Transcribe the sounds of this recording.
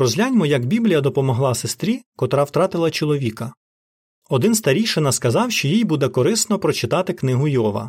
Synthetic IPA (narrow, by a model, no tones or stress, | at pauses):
ɾɔzʲlʲanʲmɔjɐɡbʲiblʲijɐd̪ɔpɔmɔɦlˠɑsest̪ɾʲikɔt̪ɾɑwt̪ɾɑt̪ɪlˠɐt͡ʃɔlˠɔʋʲikɐ | ɔd̪ɪnst̪ɐɾʲijʃɪnɐskɐzɑwʃt͡ʃɔjijbud̪ɛkɔɾɪsnɔpɾɔt͡ʃɪt̪ɑt̪ɪknɪɦʊjɔʋɐ̰